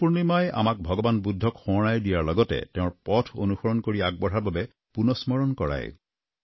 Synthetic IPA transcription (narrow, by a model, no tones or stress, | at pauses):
puɹnimaja̰mak̚bʱɔɡɔbanbudʱːɔkxɔnajdijaɹlɔɡɔtɛ̰tɛ̃ʊ̃ɹpɔtʰo̰nuxɔɹɔnkoɹiaɡ̚bɔɹaɹbabɛ | punɔsmɔɹɔnkɔɹa̰j̰